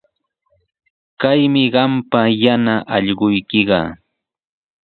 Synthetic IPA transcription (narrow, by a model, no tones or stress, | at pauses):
kajmɪɢɑmpajanaʔɑʎɢʊjkɪɢɑ̰ː